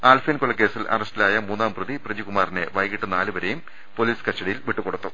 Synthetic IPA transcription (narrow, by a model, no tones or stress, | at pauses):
aːlfeːnkoɭːɐkːe̞ːsilʔɐ̰rɐstilaːjɐmuːnːaːmpruðiprɐd͡ʑikumaːrineʋɐjɣiʈːunaːlubɐɾejum | poliːskɐsʈːɐɽijilʋiʈːuko̞ɽut̪ːu